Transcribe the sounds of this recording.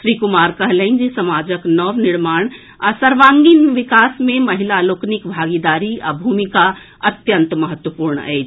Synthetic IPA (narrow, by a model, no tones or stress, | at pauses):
ʃɾiːkumaːɾkəɦlənd͡ʒesəmaːd͡ʒəknɔʋnɪɾmaːɽ̃ | a̰səɾʋaːŋɡinʋɪkaːsmẽmɐɦilaloːknikbʱaːɡid̪aːɾia̰bʱumika | ɐt̪jənt̪mɐɦət̪wəpuːɾɳə̰ɛ̰ː